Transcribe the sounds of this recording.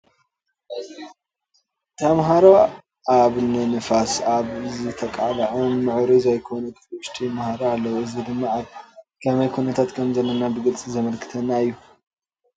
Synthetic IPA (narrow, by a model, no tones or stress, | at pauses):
t̪ʰɐmɦaɾo | aβnɨnɨfasaβzɨt̪ʰɐkʼalɐʕɐnːɨʕɾizajkʰonut̪ʰʃt̪ʰʼijmahaɾaalːɐwɨzɨd̪ɨmːaʕalkʰɐmajkʰunɐt̪ʰat̪kʰɐmzɐlːɐnabɨɡɨlt͡sʼzɐmɐlkʰɨ̥t̪ʰɐnːaɨjːu